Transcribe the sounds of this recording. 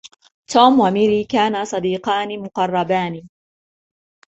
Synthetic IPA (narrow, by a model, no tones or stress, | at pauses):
t̪ʰuːmwamɪɾiːkaːnasˤɑd̪iːqɑːnɪmʊqɑrˤːɑbaːnɪ